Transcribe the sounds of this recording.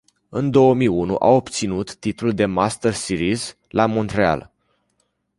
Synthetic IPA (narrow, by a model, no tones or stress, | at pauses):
ɨnd̪o̞wəmijunṵʔa̰o̞pt̪sinut̪ːit̪luld̪e̞mast̪ərsiɾiz | lamo̞nt̪ɾea̰l